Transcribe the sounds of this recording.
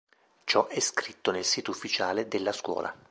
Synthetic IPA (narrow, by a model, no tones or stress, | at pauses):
t͡ʃɔʔɛskɾit̪ːonelsiːt̪oufːit͡ʃaːled̪elːaskwɔ̰ːlʔa̰